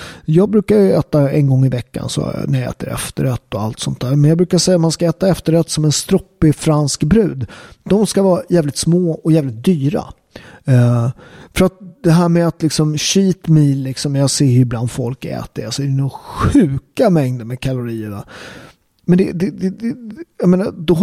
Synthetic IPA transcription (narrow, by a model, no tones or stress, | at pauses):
jɑːɡ̚bɾʉ̟ːkajɵɛːt̪aɛnɡɔŋːɪvɛkːa̰nsɔ̰næjɑɛ̰ːt̪əɾɛ̰ft̪əɾɛt̪ːɔa̰lt̪sɔnt̪ʰːæːɾmɛnjɑɡbɾʉ̟ːkaʂɛjːat̪manskaɛːt̪aɛft̪əɾɛt̪sɔmɛnst̪ɾɔpːɪfɾanskbɾʉ̟ːd̪d̪ɔmskavɑːjæːvlɪt̪smoːɔjæːvlɪt̪̚d̪yːɾa̰ | fœɾat̪̚d̪ɛɦæːɾmɛat̪lɪksɔmɕiːt̪miːlːɪksɔmjɑːɡseːɾjɪbland̪fɔlkɛ̰ːt̪əɾasɔɛɾɛnʊɧʉ̟ːkamɛŋd̪əɾmɛkʰalʊɾiːəna̰ | mɛnd̪ɛd̪ɛd̪ɛd̪ɛjɑmeːnad̪ɔ